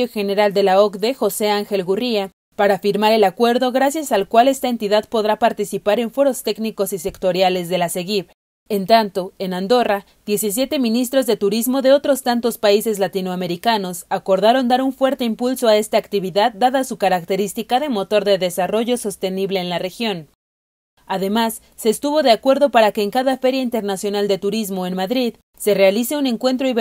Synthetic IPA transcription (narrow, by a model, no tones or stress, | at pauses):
oxe̞ne̞ɾald̪e̞laokðe̞xo̞se̞aŋxe̞lɣuria | paɾafiɾmaɾe̞lakwe̞ɾðo̞ɣɾasjasalkwale̞st̪ae̞nt̪iðaðpo̞ðɾapaɾt̪isipaɾe̞ɱfo̞ɾo̞st̪e̞kniko̞sise̞kt̪o̞ɾjale̞zðe̞lase̞ɣiβ | e̞nt̪ant̪o̞e̞nand̪o̞ra | ðje̞sis̬je̞t̪e̞mĩnist̪ɾo̞zðe̞t̪uɾizmo̞ðe̞o̞t̪ɾo̞st̪ant̪o̞spaise̞zlat̪inoame̞ɾikano̞sako̞ɾðaɾo̞nd̪aɾuɱfwe̞ɾt̪e̞impulso̞ae̞st̪aːkt̪iβiðaðːaðasukaɾakt̪e̞ɾist̪ikaðe̞mo̞t̪o̞ɾðe̞ðe̞saro̞ʝo̞so̞st̪e̞niβle̞ːnlare̞xjo̞n | aðe̞masːe̞ːst̪uβo̞ðe̞akwe̞ɾðo̞paɾake̞ːŋkaðafe̞ɾjaint̪e̞ɾnasjo̞nald̪e̞t̪uɾizmo̞e̞nmaðɾið | se̞re̞alise̞une̞ŋkwe̞nt̪ɾoi